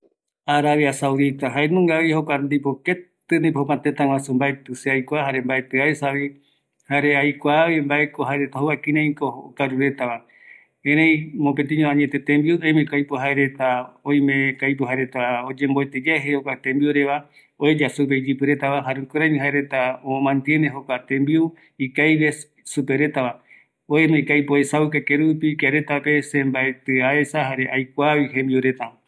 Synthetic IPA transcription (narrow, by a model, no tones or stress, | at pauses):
aɾaβiasawðit̪aɦaenũŋɡaβihokʷand̪ipoket̪ɨnĩphokãt̪et̪ãŋwãsumbaet̪ɨseajkʷaɦaɾembaet̪eaesaβi | haɾeajkʷaːβimbae̞koɦaeɾe̞t̪aɦoβakĩnẽĩkookaɾuɾe̞t̪aβa | ẽɾẽj̃mõpet̪̬ĩɲõãɲet̪e̞t̪ẽmbiuejmẽkajpoɦaeɾe̞t̪aõj̃mẽkajp̬uɦaɾe̞t̪aod͡ʒẽ̞mboet̪ed͡ʒaeɦehokʷat̪ẽmbiuɾe̞βa | oed͡ʒasup̬eid͡ʒɨpɨɾe̞t̪aβaɦaɾũkoɾaɲɨ̃ɦaeɾe̞t̪aomãnt̪jẽneɦokʷat̪ẽmbiu | ikajβe̞ | supe̞ɾe̞t̪aβa | oemekajpoesaukakeɾupikaɾe̞t̪ape̞sẽmbaet̪eae̞sahaɾe̞ʔajkʷaβihẽmbiuɾe̞t̪a